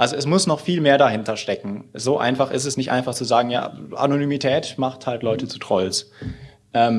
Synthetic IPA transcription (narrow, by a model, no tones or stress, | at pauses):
ʔalzoɛs̬mʊsnɔχfiːlmeːɐɾaɦɪntɐʃtɛkŋ̩zoːʔa̰ɪnfaχɪstɛsnɪçtʔa̰ɪnfaχt͡suzaːɡŋ̩ja̰ːʔa̰nonyːmitʰɛːtmaχthaltlɔʏtət͡su̥tʁ̥ɔls | ʔɛːm